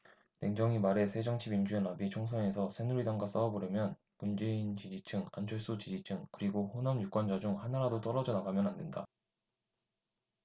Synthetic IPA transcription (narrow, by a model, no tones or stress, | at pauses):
ne̞ŋd͡ʑʌŋimaɾe̞sʰe̞d͡ʑʌŋt͡ɕʰibind͡ʑuenabit͡ɕʰoŋsʰʌŋe̞sʰʌsʰenuɾidʌŋɡas͈ʌʌboɾjimjʌn | mund͡ʑe̞int͡ɕid͡ʑit͡ɕʰɯŋa̰nt͡ɕʰʌɭs͈ut͡ɕid͡ʑit͡ɕʰɯŋkɯɾiɡoɸonamjuk͈wʌnd͡ʑad͡ʑuŋhanaɾadot͈ʌɾʌd͡ʑʌnaɡamjʌnande̞nda̰